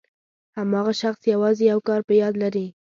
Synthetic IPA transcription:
hamɑɣaʃaxsjawɑzejawkɑɾpəjɑd̪laɾi

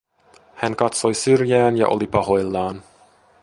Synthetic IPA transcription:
hæŋkɑt̪so̞jsyrjæːnjɑ̰ʔo̰lipɑho̞jlːɑːn

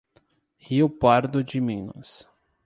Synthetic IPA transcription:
hiʊpaɾd̪ʊd͡ʒɪmĩnʊ̰s

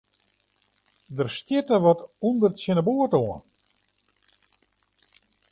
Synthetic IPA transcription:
dərstjɪtəʋɔtundərtsɪnəbuətoən

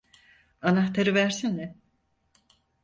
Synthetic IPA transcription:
anaxt̪ʰaɾɯvæɾsinɛ

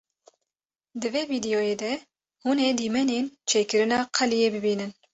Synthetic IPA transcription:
d̪ɨveːviːd̪ɛjojeːd̪ɛ | huːned̪iːmɛnent͡ʃʰeːkɨɾɨnɑːqʰɛlijeːbɨbiːnɨn

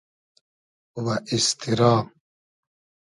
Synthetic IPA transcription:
waʔist̪ʰiɾɑːm

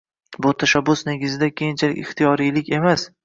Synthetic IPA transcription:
bʊt̪ʰaʃabːʊsneɡʲɪzɪd̪akʲʰejɪnt͡ʃʰalɪ̰kʲɪχt̪ʰijɒɾijlɪkʲe̞mas

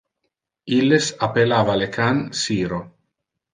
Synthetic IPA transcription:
ilːesapelaːvalekʰansiːɾo

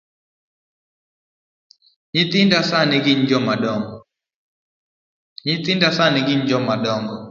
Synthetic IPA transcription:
ɲɪt̪ɪndasanɪɡɪɲd͡ʒɔmadɔŋɡɔ | ɲɪt̪ɪndasanɛɡɪɲd͡ʒɔmadɔŋɡɔ

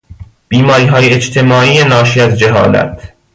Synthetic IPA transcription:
b̥iːmɒːɾiːɦɒːjeed͡ʒt̪ʰe̞mɒːʔiːjenɒːʃiːæzd͡ʒeɦɒ̰ːlæ̰t̪ʰ

